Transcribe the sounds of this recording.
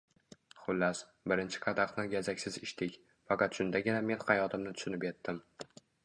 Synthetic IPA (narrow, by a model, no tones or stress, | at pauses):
χʊlːas | bɪɾɪnt͡ʃʰɪ̥qʰɑd̪ɑqnɪɡʲazakʲsɪzɪʃt̪ɪkʲ | fɑqʰɑt̪ʃʊnd̪aɡʲɪname̞nhɑjɒt̪ʰɪmnɪt̪ʰʊ̥ʃʊnɪpʲet̪ːɪm